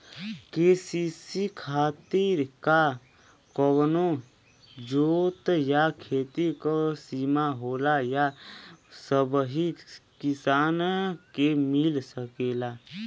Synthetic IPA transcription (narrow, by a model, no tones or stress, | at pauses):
keːsisikʰaːt̪ɪɾka | kɔwno | d͡ʒoːt̪jakʰeːt̪ikosiːmaɦoːlaja | səbɦikɪsaːnkemɪlsəkeːla